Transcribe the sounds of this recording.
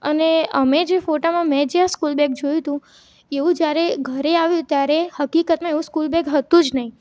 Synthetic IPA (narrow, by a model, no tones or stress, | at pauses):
əneəmed͡ʒefoʈamãmɛ̃d͡ʒeaskulbɛk̚d͡ʒojũt̪ũ | eʋũd͡ʒjaɾeɡʱəɾeaʋjũt̪jaɾehəkikət̪mãeʋũskulbɛkɦət̪ũd͡ʒnəɦĩ